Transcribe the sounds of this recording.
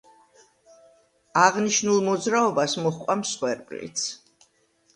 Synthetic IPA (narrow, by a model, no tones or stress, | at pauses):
aʁniʃnulˠmɔd̪zɾaɔbasmɔχqʼwamsχwɛɾpʼlḭt̪sʰ